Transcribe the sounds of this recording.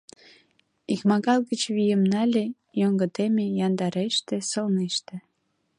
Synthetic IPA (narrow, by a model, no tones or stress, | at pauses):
ikmɑɣɑlˠɡət͡ɕβijəmnɑlʲe | joŋɡə̆t̪emejɑnd̪ɑɾeʃt̪ĕsolneʃt̪ĕ